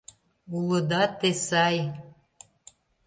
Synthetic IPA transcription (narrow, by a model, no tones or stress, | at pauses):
uləd̪ɑt̪esɑj